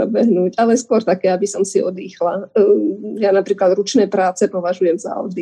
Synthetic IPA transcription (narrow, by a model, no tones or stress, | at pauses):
ɔbɛɦnuːcalɛskʊɔɾt̪akɛːabisɔmsiɔd̪iːxla | janapɾiːklad̪ɾut͡ʃnɛːpɾaːt͡sɛpɔʋaʒujɛmza̰ɔ̰d̪i